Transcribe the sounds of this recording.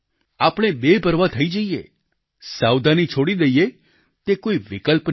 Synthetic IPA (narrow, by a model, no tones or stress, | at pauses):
apɽ̃ebebʱəɾʋat̪ʰəid͡ʒəijḛ | sawd̪anit͡ʃʰoɽid̪əije | t̪ekoiʋɪkəlp